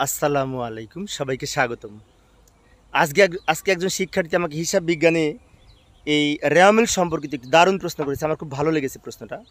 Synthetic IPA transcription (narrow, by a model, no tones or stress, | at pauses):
ɐsːɐlamwalejkumʃɔbajkeʃaɡot̪om | ad͡ʑkead͡zkeɛɡ̚d͡ʑonʃikʰːaʈit̪iamak̬eɦiʃabːiɡːane | ejɾɛmelʃɔmpoɾk̬it̪oek̚ʈːud̪aɾunpɾosnokoɾet͡ɕʰeamaɾkʰubbʱaloleɡet͡ɕʰe̥pɾosnoʈa